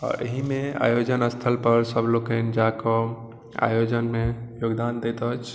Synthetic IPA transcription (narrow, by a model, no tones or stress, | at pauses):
ɔ̰ɾʔə̰ɦimea̰jod͡ʒənəst̪ʰəlpəɾsəbʱlokənd͡ʒakɔ | a̰jod͡ʒənmejoɡd̪and̪et̪ət͡ʃʰ